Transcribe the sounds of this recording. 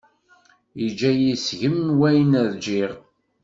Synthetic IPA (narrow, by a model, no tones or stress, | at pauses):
id͡ʒæjisʝəmnwæjnæðd͡ʒiʁ